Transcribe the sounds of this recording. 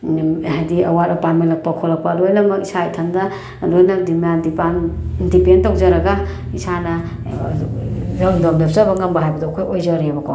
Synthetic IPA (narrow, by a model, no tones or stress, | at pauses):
hajdiɐwaɾɐpatmenlɐk̚pɐkʰolːɐk̚pɐlojnɐmɐkisaitʰandɐ | lojnɐdimjadipandipentawk̚zaɾɐɡa | isanɐ | ɾaŋdomdep̚sabɐŋambɐɦajbɐdɔkʰojojzaɾibɐkʰo